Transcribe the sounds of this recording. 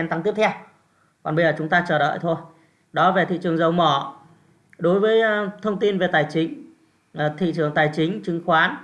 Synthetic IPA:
ɛ˧nt̪a˧˦ŋt̪i˦˥əp̚t̪ʰɛ˧w | kɔ˨˩nɓə˧jzəː˨˩t͡ɕʊ˨˦ŋ͡mt̪aː˧t͡ɕəː˧˩ɗə̰ː˧˨jt̪ʰo˧j | ɗɔ˨˦ve˨˩t̪ʰḭ˧˨t͡ɕɨ˨˩əŋzə˨˩wmɔ˧˩ | ɗo˨˦jvəː˨˦jt̪ʰə˧wŋ͡mt̪i˧nve˨˩t̪aː˨˩jt͡ɕï˨˦ŋ̟˨˩ | t̪ʰḭ˧˨t͡ɕɨ˨˩əŋt̪aː˨˩jt͡ɕï˨˦ŋ̟t͡ɕɨ˨˦ŋxwaː˨˦n

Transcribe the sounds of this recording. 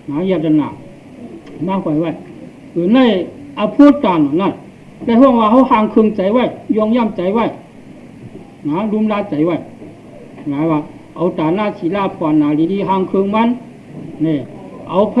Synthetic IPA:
na˨˧˦ja˧ta˧na̰ː˨ | maː˧˥hɔ˧˨jwa˧˨j | ɯ˨˩˨na˥˧˨jʔa˧pʰu˧˥˦t̪aː˨nɔ˨na˧˥˨n | lɛ˧hɔ˥˧˨ŋwaː˧ɦa˧˨whaː˧ŋkʰɯ˧ŋt͡ɕa˨˧˦jwa˥˨jjɔ˧ŋja˥˨mt͡ɕa˨˦jwa˥˧˨j | na˨˧˦lu˧˦mlaː˧˥t͡ɕa˨˦jwa˧˨j | naː˨˧˦jwaː˧ | ʔa˨˩wt̪aː˨naː˧˥˨sʰi˨laː˧˩pʰɔ˧˨naː˨˩li˧˦ni˧ɦaː˧ŋkʰɯ˧ŋma˧˥n | ne˧˨˩ʔa˧wpʰ

